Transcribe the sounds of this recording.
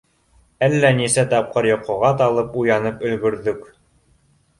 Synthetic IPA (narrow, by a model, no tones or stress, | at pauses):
ælːænisæt̪ɑp̚qɤɾjŏqŏʁɑt̪ɑlˠɤpujɑnɤpɵ̆lɡɵ̆ɾðɵk